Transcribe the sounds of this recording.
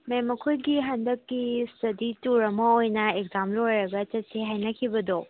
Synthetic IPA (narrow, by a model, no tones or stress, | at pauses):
memɐkʰojɡiɦɐndɐkːistɐdituɾɐmɐojnɐeɡzamplojɾɐɡɐt͡ʃɐt̚seɦajnɐkʰibɐdo